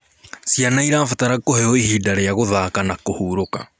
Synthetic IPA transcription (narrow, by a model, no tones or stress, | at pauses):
sianaiɾaːfataɾakohɛɔihidaɾeaɣoðaːkanakohuːɾoka̰